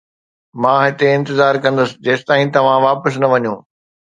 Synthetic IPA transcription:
mãːɦɪt̪eɪ̃nt̪ɪzaːɾkɐ̃nd̪əsɪ̆d͡ʑeːsɪ̥t̪aːĩt̪ɐʋ̤ãʋaːpəs̬nɐʋɐɲũː

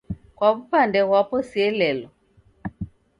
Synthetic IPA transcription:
kwaβupandɛɣwapɔsiɛlɛlɔ

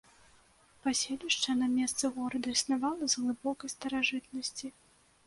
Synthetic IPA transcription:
pasʲelʲiʂt͡ʂɐnɐmʲɛst̪sɨɣɔɾɐd̪ɐisnavalˠɐzɣlˠɨbɔkɐjst̪ɐɾaʐɨt̪̚nɐsʲt͡sʲi

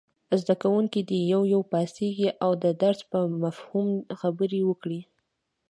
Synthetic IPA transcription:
zd̪akawuŋkid̪əjawjawpɑseɡiʔawd̪əd̪aɾzpəmafhumxabəɾiwəkɽi

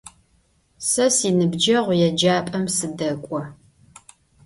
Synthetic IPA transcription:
sɐsiːnɨbd͡ʒɐʁʷjɛd͡ʒaːpʼɐmsɨdɐkʷʼɔ

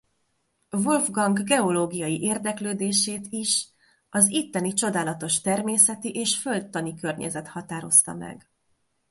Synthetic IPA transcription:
volvɡɒŋɡɡɛo̞loːɡijɒjiʔeːrd̪ɛkløːd̪eːʃeːt̪iʃ | ɒzit̪ːɛnit͡ʃo̞d̪aːlɒt̪o̞ʃt̪ɛrmeːsɛt̪iʔeːʃføld̪ːɒnikø̞rɲɛ̰zɛt̪hɒt̪aːɾo̞̰st̪ɒ̰mɛ̰ɡ

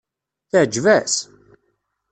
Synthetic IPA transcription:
θəʕd͡ʒvæs

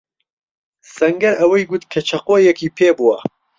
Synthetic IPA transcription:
sɐŋɡɐɾʔɐwɐjɡut̪kʰɐt͡ʃʰɐqoːjɛkʰipʰeːbuwɐ̰

